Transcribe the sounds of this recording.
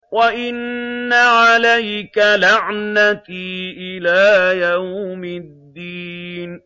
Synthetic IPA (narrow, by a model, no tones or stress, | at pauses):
waʔɪnːaʕalajkalaʕnat̪iːʔɪlaːjawmɪd̪ːiːn